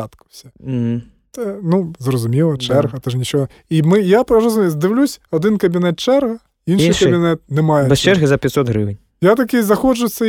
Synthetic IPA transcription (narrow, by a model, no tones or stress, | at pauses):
at̪kɐsʲɛm̩ɦ̩ | t̪ɛnuzrɐzʊmʲilˠɐt͡ʂt͡ʃɛrɣɐt̪ɛnʲit͡ʃɔɣɔ | imɨjapɾɐɾɐzʊmʲizʲd̪ɨwlʲusʲɐd̪ɨnkɐbʲinɛt̪̚t͡ʃɛrɣɐ | inʂinɨjkɐbʲinɛt̪̚nɛmajɛt͡ʃɛrɣizɐpʲɛt̪ʲsɔt̪ɣɾɨʋɨnʲ | jat̪ɐkʲizɐxɔt͡ʂʊsʲːɐ